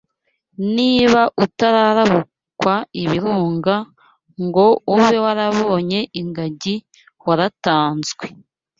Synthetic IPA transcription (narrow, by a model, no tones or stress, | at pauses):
niːβaʔutaɾaɾaβu | kwaiβiɾuːŋɡa | ŋɡo̞uβewaɾaβoɲe̞ʔiŋɡaɟi | waɾataːnzɡwe̥